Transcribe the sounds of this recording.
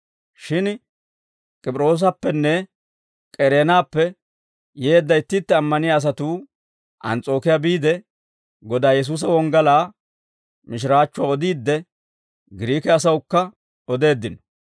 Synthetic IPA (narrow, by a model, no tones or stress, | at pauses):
ʃɪn | kʼɪpʼɾo̞ːs̬ɐpːɛnːɛ | kʼɛɾeːnaːpːɛ | jeːd̪ːɐjt̪ːɪt̪ːɛɐmːɐnɪjaːs̬ɐt̪uː | ʔɐ̰nt͡sʼo̞ːkɪjaːbiːd̪ɛ | ɡɔd̪aːjɛs̬uːs̬ɐwɔŋɡɐlaː | mɪʃ̬ɪɾaːt͡ʃːʊaɔd̪iːd̪ːɛ | ɡɪɾiːkɛɐs̬ɐwʊkːɐ | ɔd̪e̞ːd̪ːɪnɔ̥